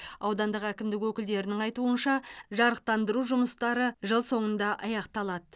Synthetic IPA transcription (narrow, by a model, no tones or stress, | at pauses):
ɑwd̪ɑnd̪əqækʲɪmd̪ɪkwɵkʲɪld̪e̞ɾɪnɪŋɑjt̪uənʃɑʒɑɾəq̚t̪ɑnd̪əɾuʒʊməst̪ɑɾəʒəlˠso̞ɴənd̪ɑʔɑjɑqt̪ɑlˠɑd̪ə